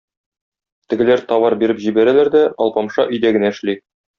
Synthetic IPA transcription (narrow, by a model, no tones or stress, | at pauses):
t̪ɘ̆ɡɘ̆læɾt̪ɒwɑɾbiɾɘpʑibæɾælæɾd̪æɒ̰lˠpɑmʃɑʔɵ̆jd̪æɡɘ̆næɘ̆ʃli